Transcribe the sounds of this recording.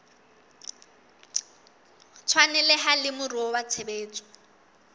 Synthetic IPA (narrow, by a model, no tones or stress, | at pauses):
t͡sʰwanɛlɪɦalɪmʊruɔwat͡sʰebeːt͡sʼɔ̥